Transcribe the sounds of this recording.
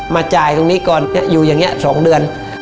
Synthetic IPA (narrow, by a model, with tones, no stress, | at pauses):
maː˧t͡ɕaː˨˩jt̪o˧ŋniː˦˥kɔː˨˩ni˦˥ɐʔjuː˨˩jaː˨˩ŋni˦˥əʔsɔː˩˦ŋdɯ˧ən